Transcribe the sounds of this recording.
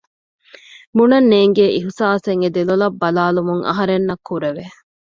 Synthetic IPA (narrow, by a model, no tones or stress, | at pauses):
munɐnːeːŋɡeːʔiɦusaːseŋed̪elulɐbːɐlaːlumuŋɐ̰ɦɐɾenːɐkʰːuɾeʋe